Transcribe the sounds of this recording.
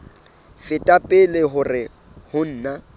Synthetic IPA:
fɪtʼapʼɪlɪɦʊrɪ | hʊn̩ːna

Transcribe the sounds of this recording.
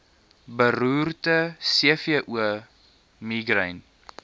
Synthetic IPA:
bəɾuːrtəsiəfiəʔuə | miɡrəjn

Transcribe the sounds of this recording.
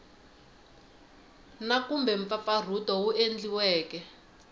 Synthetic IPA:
nakumbɛɱp̪fafar̤utɔwuʔend͡ɮiwɛːkɛ

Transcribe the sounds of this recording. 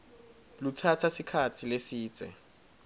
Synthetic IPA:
lutʰatʰasikʰat͡sʰilesiːt͡sʼɛ̰

